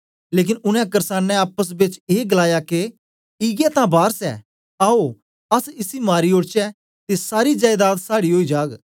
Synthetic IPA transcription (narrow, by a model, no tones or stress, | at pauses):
leːk̬ɪnʊnɛ̃kɐɾsaːnːɛaːpəs̬bɪt͡ʃeːɡəlaːjake | ɪɡɛt̪ãbaːɾsɛ̰ | aːo | ɐsɪsimaːɾioːɽt͡ʃɛ | t̪esaːɾid͡ʒaːjd̪aːd̪saːɽiɦoːid͡ʒaːɡ